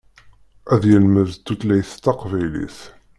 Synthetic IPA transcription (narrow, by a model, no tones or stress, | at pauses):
æðjəlməvt̪ːut̪læjθt̪ːɑqvæjlḭθ